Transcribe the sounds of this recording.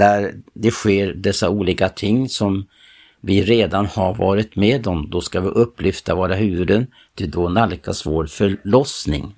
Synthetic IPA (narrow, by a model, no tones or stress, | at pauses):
d̪æɾd̪ɛɧeːɾɖɛsːauːliːkat̪ʰɪŋːsɔm | vɪɾeːd̪anhaɾvɑ̰ːɾɪt̪meːd̪ɔmd̪ɔskavɪʔɵpːlʏft̪avɑːɾaɦʉ̟ːvɵd̪ən | t̪ʰɪd̪ɔnalkasvoːɾfœɭɔsnɪ̰ŋ